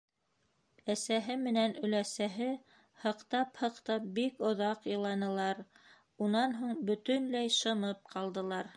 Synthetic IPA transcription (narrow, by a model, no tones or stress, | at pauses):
æsæɦɘmɘ̆nænɵ̆læsæɦɘ | hɤ̆qt̪ɑphɤ̆qt̪ɑp̚bikŏðɑqjɤ̆lˠɑnɤ̆lˠɑɾ | unɑnɦuɴbɵ̆t̪ɵnlæjʃɤ̆mɤp̚qʰɑlˠd̪ɤ̆lˠɑɾ